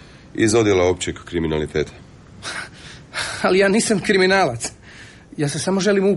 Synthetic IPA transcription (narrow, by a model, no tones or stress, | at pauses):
ḭzo̞d̪jelaopt͡ɕekːɾiminalit̪eːt̪ʰḁ | alijaːniːsamkɾiminaːlat̪s | jaːsesamo̞ʒe̞limu